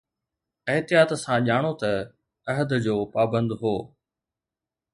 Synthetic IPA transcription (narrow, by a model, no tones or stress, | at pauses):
ɐɦt̪ɪjaːt̪sãʄaːɽ̃ot̪ɐ | ɐɦəd̪d͡ʑoːpaːbə̃nd̪ɦoː